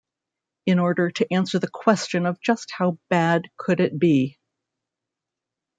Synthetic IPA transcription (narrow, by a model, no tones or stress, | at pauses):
ɨ̃nɔɹɾə˞ɾɨʔæ̃nsə˞ðɨkʰw̥ɛst͡ʃɨ̃nʌvd͡ʒʌst̚haʊb̥æd̚kʰɨɾɪt̚b̥i